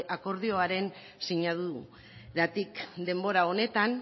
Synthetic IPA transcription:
ʔako̞ɾð̞io̞aɾe̞n | siɲaðu | ɾat̪ikd̪e̞mbo̞ɾao̞ne̞t̪an

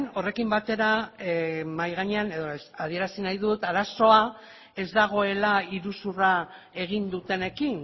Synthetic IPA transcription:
no̞re̞kimbat̪e̞ɾa | majɣ̞aɲeane̞ðoað̞ie̞ɾasinajðut̪aɾaso̞a | e̞zd̪aɣ̞o̞e̞laiɾusura | e̞ɣ̞ind̪ut̪e̞ne̞kin

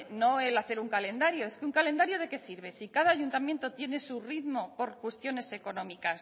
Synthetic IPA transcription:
no̞e̞laθe̞ɾuŋkale̞nd̪aɾjo̞e̞skeuŋkale̞nd̪aɾjo̞ð̞e̞ke̞siɾβ̞e̞sikaðaːʝunt̪amje̞nt̪o̞t̪je̞ne̞suriðmo̞po̞ɾkwe̞st̪jo̞ne̞se̞ko̞nõ̞mikas

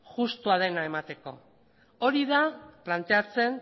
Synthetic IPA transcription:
ʝust̪uað̞e̞nae̞mat̪e̞ko̞̰ | o̞ɾiðaplant̪e̞at͡se̞n

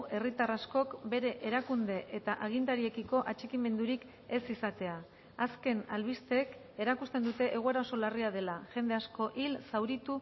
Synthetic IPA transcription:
e̞rit̪arasko̞kbe̞ɾe̞ʔeɾakund̪e̞ʔet̪aʔaɣ̞int̪aɾie̞kiko̞ʔat͡ʃekime̞nd̪uɾik | e̞sisat̪e̞aː | ske̞nalβist̪ek | e̞ɾakust̪e̞nd̪ut̪e̞ʔe̞ɣ̞oe̞ɾaoso̞lariað̞e̞laʝe̞nd̪e̞asko̞ʔilsawɾit̪u

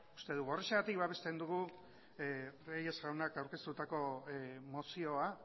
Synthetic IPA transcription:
u̥st̪e̞ðuɣoreʃeɣat̪ikβaβe̞st̪e̞nd̪uɣ̞u | reje̞zɣawnakawɾke̞st̪ut̪ako̞mo̞sio̞a

